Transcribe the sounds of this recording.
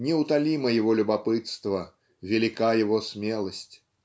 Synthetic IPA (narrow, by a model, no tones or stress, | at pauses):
nʲɛwt̪alʲimɐjɛvɔlʲubapɨt̪st̪vɐ | vʲɛlʲikajɛvɔsʲmʲɛlˠɐsʲt͡sʲ